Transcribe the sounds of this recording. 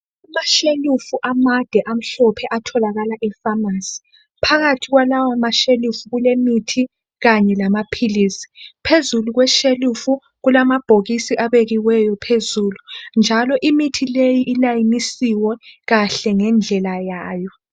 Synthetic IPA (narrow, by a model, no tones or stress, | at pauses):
umaʃelufuʔamad̥ʱɛʔam̩ɬɔpʰɛʔatʰɔlaɣalaʔɛfamasi̥ | pʰaɣatʰiɣwalawamaʃelufuɣulemitʰi | ɣaɲɛlamapʰiliːsi̥pʰezuluɣwɛʃelufu | ɣulamab̥ʱoɣisiʔaβeɣiwɛjɔpʰezuːlund͡ʒʱalɔʔimitʰilejiʔilajinisiwɛɣaɬɛŋɛnd͡ɮʱɛlajaːjɔ